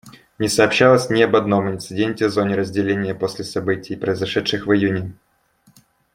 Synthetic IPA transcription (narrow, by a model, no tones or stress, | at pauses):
nʲɪsɐːpɕːalˠəsʲnʲɪɐbɐd̪no̞mɪnʲt̪sɨdʲenʲtʲɪvzo̞nʲɪɾəzʲdʲɪlʲenʲɪjəposʲlʲɪsɐbɨtʲɪjpɾəɪzɐʂɛt̪ʂɨxvɨjunʲɪ